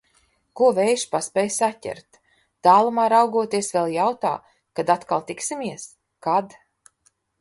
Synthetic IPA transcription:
kuɔvɛjʃpaspʲɛjsatʲɛ̰ɾt̪ | d̪̥aːlˠumaːɾawɡuɔt̪iɛsvɛlˠjawt̪a̰ː | kad̪at̪kalˠt̪iksimʲiɛs | kad̪

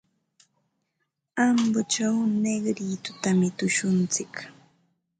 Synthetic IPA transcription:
ambʊt͡ʃawneɡɾiːt̪ʊt̪amɪt̪ʊʃʊnt͡sɪk

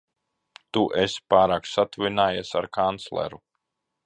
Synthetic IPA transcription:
t̪uʔespaːɾaːksat̪uvinaːjasaɾkʰant̪slˠɛ̰ɾu

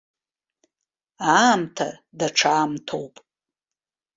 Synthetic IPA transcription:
amtʰa̰daʈ͡ʂʰaːmtʰowpʼ

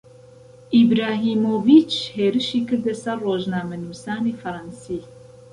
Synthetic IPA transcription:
ʔibɾaːɦiːmoːvit͡ʃheːɾɨʃiːkɨɾd̪ɛsɐrroːʒnaːmɐnuːsaːnifɐɾˤɑnsiː

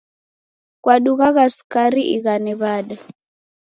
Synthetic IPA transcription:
kwaɗuɣaɣaskaɾiʔiɣaniβaːɗa

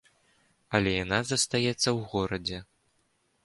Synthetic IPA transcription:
ɐlʲɛjan̪azɐst̪ajɛt̪sːɐwɣɔɾɐd͡zʲɛ

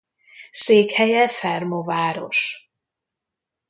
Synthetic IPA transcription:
seːkhɛjɛfɛrmovaːɾo̞ʃ

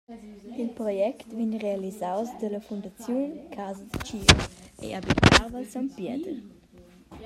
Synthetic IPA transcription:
ilpɾɔjɛkt̪viɲʁealizawsd̪ələfund̪at͡sjunkʰazəd̪ət͡ʃiḛʔabit̪avəsampjɛd̪ə

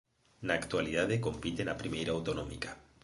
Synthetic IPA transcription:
naːkt̪waliðaðeko̞mpit̪enapɾimejɾaːwt̪onomḭkḁ

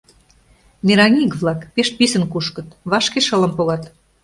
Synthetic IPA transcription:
mʲeɾɑnʲikβlɑkpeʃpisə̆nkuʃkə̆t̪βɑʃkeʃələ̆mpoɣɑt̪

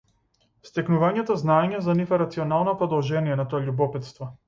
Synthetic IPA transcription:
st̪ɛknuvaɲɛt̪ɔznaɛɲɛzanifɛɾat̪siɔnalˠnɔpɾɔd̪ɔlˠʒɛnijɛnat̪ɔaʎubɔpɛt̪st̪vɔ

